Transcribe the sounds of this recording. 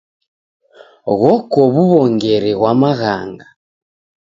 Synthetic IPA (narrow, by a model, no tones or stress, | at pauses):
ɣɔkɔβuβɔŋɡɛɾɛɣwamaɣa̰ŋɡa